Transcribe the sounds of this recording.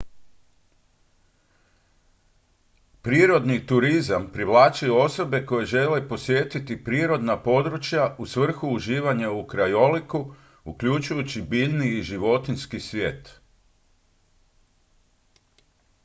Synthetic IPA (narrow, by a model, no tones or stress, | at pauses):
pɾiːɾo̞d̪nit̪uɾizampɾiʋlˠaːt͡ʃujuo̞so̞be̞ko̞je̞ʒe̞lepo̞sʋje̞ːt̪it̪ipɾiːɾo̞d̪napo̞d̪ɾut͡ʃjaʔusʋr̩xuːʒiːʋaɲaukɾajo̞liku | ukʎut͡ʃujut͡ɕibiːʎniːʒiʋo̞t̪inskisʋje̞̰ːt̪